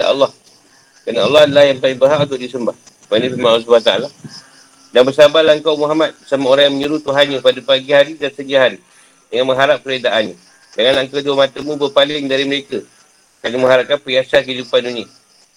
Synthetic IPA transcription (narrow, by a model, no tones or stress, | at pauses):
ja̰ʔɑ̰lːɑh | kənaɑ̰lːɑlahjanpalɪŋbəɦaʔunt̪̬ʊʔ̚disəmbah | banə̃fimals̬ubaat̪aa̰la | daŋbəsabalaəŋkawmuɦamat̪̚samaoɾaŋjaŋməɲəɾut̪uɦanɲəpadəpaɡihaɾidansəɲd͡ʒaɦan | dəŋanməŋɦaɾap̚kəɾedaʔanɲa | dəŋanlaŋkawduəmat̪əmũbəpalɪŋdaɾiməɾekə | kanəməŋɦhaɾap̚kanpəɾiasakəidupanuni